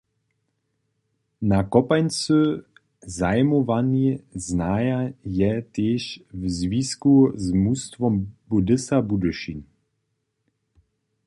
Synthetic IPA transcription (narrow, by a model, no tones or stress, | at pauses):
nakɔpajnt͡sø | zajmɔvanɛznaːjajɛt̪eːʃvzviskuzmust̪vɔmbud̪ɪsabud̪uʃin